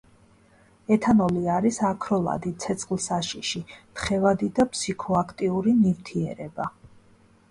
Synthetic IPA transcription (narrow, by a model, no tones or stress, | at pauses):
ɛt̪ʰanɔliaɾisakʰɾɔlˠa̰d̪it̪sʰɛt̪sʰʼχʼlˠsaʃiʃit̪χɛvad̪id̪apʰsikʰɔakʰt̪ʼiuɾinivt̪ʰiɛɾɛba